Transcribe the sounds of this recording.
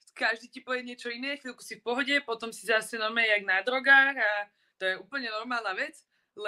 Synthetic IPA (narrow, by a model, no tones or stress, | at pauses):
kaʒd̪iːcipɔʋɛɲɪɛt͡ʃɔinɛːxʋilˠku̥sifpɔɦɔɟɛpɔt̪ɔmsizasɛnɔɾmɛjɛaɡnad̪ɾɔɡaːɾa | t̪ɔjɛuːpl̩ɲɛnɔɾmaːlˠnaːʋɛt͡s | l